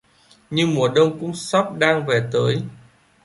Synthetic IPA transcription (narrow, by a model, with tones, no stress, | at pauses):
ɲɨ˧ŋmu˨˩əɗə˧wŋ͡mkʊ̰˧˥ŋ͡msɔ˦˥p̚ɗaː˧ŋve˨˩t̪əː˨˦j